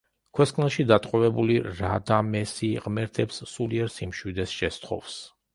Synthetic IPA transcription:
kʰwɛskʰʼnɛʃid̪at̪ʼqʼɔvɛbuliɾad̪amɛsiʁʼmɛɾt̪ʰɛpsːuliɛɾsimʃwid̪ɛsʃɛst̪χʰɔ̰fs

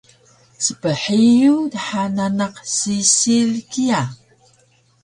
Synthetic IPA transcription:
səpəħijudaħananaqsisilkia

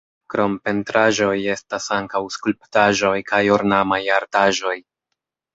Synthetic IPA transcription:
kɾo̞mpe̞ntɾaʒo̞je̞stasaŋkawskulp̚taʒo̞jkajoɾnamajaɾtaʒo̞j

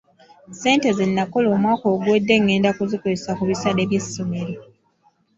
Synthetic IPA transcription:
se̞ːnte̞zinːakolo̞ːmwaːko̞ːɡweːdːe̞ŋːe̞ːndakuzikoesakuβisade̞ːβje̞sːomeɾo

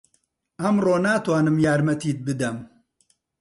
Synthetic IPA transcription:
ɐmroːnaːt̪waːnɨmjaːɾmɐt̪iːt̪̚bɨd̪ɐm

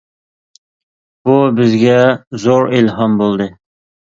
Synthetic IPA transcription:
b̥ubɪzɡʲɛzoɾɪlɦɑmbolˠd̪ɨ

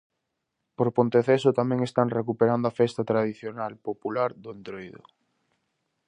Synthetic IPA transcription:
poɾpont̪eθesʊt̪amɛ̃ŋest̪aŋrekupeɾand̪oafɛst̪at̪ɾað̞iθjonalpopulaɾðʊent̪ɾojðʊ̰

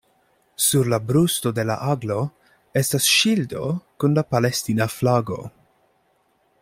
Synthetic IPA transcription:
suɾlabɾusto̞de̞la̰ʔaɡlo̞ | e̞stasʃildo̞̰kunlapalestinaflaɡo̞̰

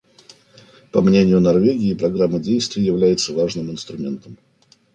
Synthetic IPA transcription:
pɐmnʲenʲɪjʊnɐrvʲeɡʲɪːpɾɐɡɾamːədʲejst̪vʲɪjəjɪvlʲæjɪt̪səvaʐnɨmɪnst̪ɾʊmʲe̞nt̪əm

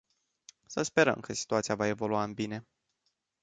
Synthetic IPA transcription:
səspe̞ɾə̰mkəsi̥t̪uat̪sijavae̞vo̞luaɨnbine̞

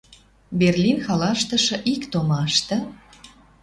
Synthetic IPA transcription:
berlʲinxɑlɑʃt̪ə̆ʃɤ̆ʔikt̪omɑʃt̪ə̆

